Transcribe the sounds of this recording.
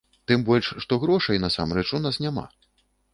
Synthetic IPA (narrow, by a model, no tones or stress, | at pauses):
t̪ɨmbɔlʲʂʂt̪ɔɣɾɔʂɐjnasa̰mɾɛt͡ʂunasnʲama̰